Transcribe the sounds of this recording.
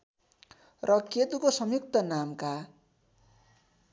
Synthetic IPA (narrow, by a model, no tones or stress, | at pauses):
rʔʌket̪ukosʌmjuk̚t̪ʌnamka